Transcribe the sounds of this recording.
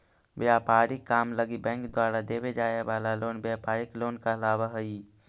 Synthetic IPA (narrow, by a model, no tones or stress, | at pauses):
ʋjaːpaːɾikːaːmləɡibɛ̃ːŋkd̪waːɾad̪eːbed͡ʒaːjebaːlaloːnbjaːpaːɾɪkloːnkalaːbaɦəi